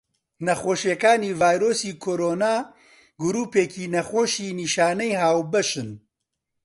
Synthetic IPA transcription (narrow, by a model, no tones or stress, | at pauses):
nɐxoːʃekaːniːvaːjɾoːsiːkʰoːɾoːnaː | ɡʊɾuːpeːkiːnɐxoːʃiːniːʃaːnɛjhaːwbɐʃɨn